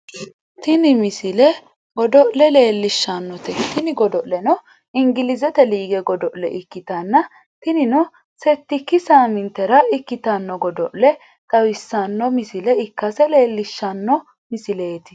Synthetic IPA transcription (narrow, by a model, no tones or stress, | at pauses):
t̪ɪnɪmɪsɪlɛ | ɡɔd̪ɔʔlɛle̞ːlːɪʃːɐnːɔt̪ɛt̪ɪnɪɡɔd̪ɔʔlɛnɔ | ɪŋɡɪlɪzɛt̪ɛliːɡɛɡɔd̪ɔʔlɛʔɪkːɪt̪ɐnːɐ | t̪ɪnɪnɔ | sɛt̪ːɪkːɪsaːmɪnt̪ːɛɾɐɪkːɪt̪ɐnːɔɡɔd̪ɔʔlɛ | t̪ʼɐwɪsːɐnːɔmɪsɪlɛɪkːɐsɛle̞ːlːɪʃːɐnːɔ | mɪsɪle̞ːt̪ɪ̥